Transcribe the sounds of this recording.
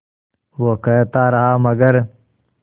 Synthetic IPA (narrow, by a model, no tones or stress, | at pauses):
woːkɐɦet̪aːɾɐɦaːmɐɡɐɾ